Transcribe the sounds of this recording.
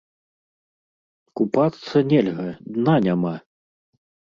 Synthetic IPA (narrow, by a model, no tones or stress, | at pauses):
kupat̪sɐnʲɛlʲɣɐd̪nanʲama